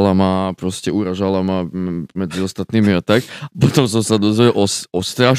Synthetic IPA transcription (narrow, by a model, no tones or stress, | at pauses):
lamapɾɔscɛuɾaʒalamamɛd͡ziɔst̪at̪niːmiat̪akapɔt̪ɔms̬ɔmsad̪ɔzʋiʔɔsɔst̪ɾaʃ